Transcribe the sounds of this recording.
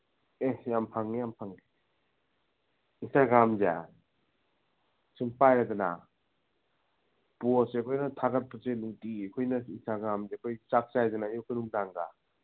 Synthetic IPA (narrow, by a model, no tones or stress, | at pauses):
ejampʰaŋijampʰaŋi | istaɡɾamza̰ | sɯmpajɾadana̰ | puosekʰojnɐtʰaɡat̚pɯseluŋtikʰojnɐistaɡɾamzekʰojt͡ʃak̚sajzanajukʰɯnuŋdaŋɡa̰